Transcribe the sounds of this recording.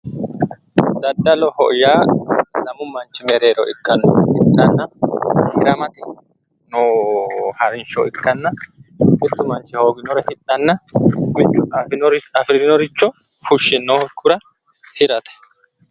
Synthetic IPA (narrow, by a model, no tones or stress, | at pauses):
d̪ɐd̪ːɐlɔhɔ̰ʔjaːlɐmʊmɐnt͡ʃːɪmɛɾeːɾɔʔɪkʼːɐnːɔhɪt̪ʼːɐnːɐhɪɾɐmɐt̪ɪ | nɔ | hɐɾɪnʃɔ̰ɪkːɐnːɐmɪt̪ːʊmɐnt͡ʃːɪhoːɡɪnɔɾɐhɪt̪ʼːɐnːɐmɪt͡ʃːʊnɾɐfɾɪɾɪnɔɾɪt͡ʃːɔ | fʊʃːɪnːoːkʼːʊɾɐ | hɪɾɐt̪ɛ̥